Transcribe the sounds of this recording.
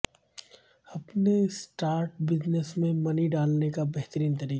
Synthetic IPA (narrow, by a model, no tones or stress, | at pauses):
ɐpnesʈaːɾʈbɪd͡ʒnəsmẽmɐniɖaːlnekabɛɦt̪ɾiːnt̪ɐɾiːka